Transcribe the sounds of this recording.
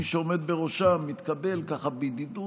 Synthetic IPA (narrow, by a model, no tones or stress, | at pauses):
iʃeo̞med̪̚beʁo̞ʃamit̪kade̞lkaχabid̪id̪u